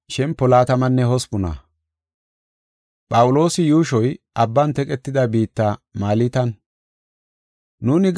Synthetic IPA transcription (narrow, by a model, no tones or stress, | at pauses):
ʃɛmpːɔlaːt̪ɐmɐnːɛɦɔspʊnɐ̰ | pʼɐwʊlo̞ːsɪjuːʃɔjʔɐbːɐnt̪ɛkʼɛt̪ːɪd̪ɐbiːt̪ːamaːlit̪ɐn | nuːnɪɡ